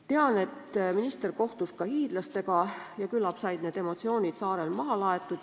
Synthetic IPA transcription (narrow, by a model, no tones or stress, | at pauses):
t̪e̞ɑne̞t̪ːminist̪e̞rko̞ht̪uskɑhiːd̪̥lɑst̪e̞ɡɑjɑkylːɑpsɑjd̪̥ne̞ːd̪̥e̞mo̞t̪sio̞ːnʲid̪̥sɑːɾe̞lmɑɦɑlɑe̞t̪ːˑud̪̥